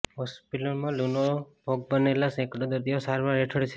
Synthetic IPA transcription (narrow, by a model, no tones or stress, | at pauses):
ɦɔspilomãlunobʱoɡ̚bənelasɛ̃kɽõd̪əɾd̪iosaɾʋaɾeʈʰəɽt͡ʃʰe